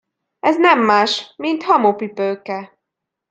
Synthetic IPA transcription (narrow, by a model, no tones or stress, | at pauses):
ɛznɛmːaːʃmint̪hɒmopipøːkɛ